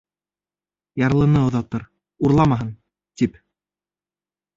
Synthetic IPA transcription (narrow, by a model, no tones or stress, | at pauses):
jɑɾlˠɤ̆nɤŏðɑt̪ɤɾ | uɾlˠɑmɑɦɤn | t̪ip